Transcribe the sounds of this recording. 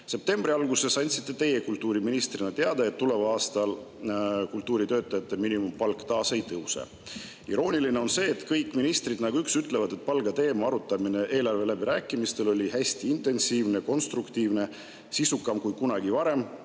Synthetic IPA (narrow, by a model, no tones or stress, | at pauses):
se̞p̚t̪e̞mbɾiɑlɡuse̞sɑnʲt̪si̥t̪ːˑe̞t̪e̞je̞kult̪ːˑuːɾiminist̪rinɑt̪eɑd̪ɑe̞t̪ːule̞vɑɑːst̪ɑl | kult̪ːuːɾit̪ø̞ːt̪ːˑɑjɑt̪ːˑe̞minimumpɑlkːˑt̪ɑːse̞jt̪ɤwsḛ | ḭɾo̞ːnʲiline̞o̞nse̞ːt̪kɤjkːˑminist̪rid̪̥nɑɡ̥uyksyt̪ːˑle̞vɑd̪e̞t̪̚pɑlɡɑt̪e̞ːmɑɑɾut̪ːˑɑmine̞ʔe̞ːlɑrve̞læbiɾæːkːˑimist̪e̞lo̞lʲihæsʲt̪iint̪ˑe̞nsiːvneko̞nst̪rukt̪iːvne̞ | sisukːˑɑmkujkunɑɡ̥ivɑɾe̞m